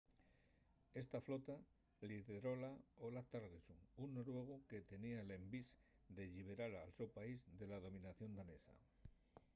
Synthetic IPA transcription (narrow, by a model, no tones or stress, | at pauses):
e̞st̪aflo̞t̪a | liðeɾo̞laolat̪aɾɣesuunːoɾwe̞ɣ̞uke̞t̪e̞niale̞mbis | d̪eʎiβ̞e̞ɾaɾalsepaizðe̞laðo̞mĩnaθjo̞nd̪ane̞sa̰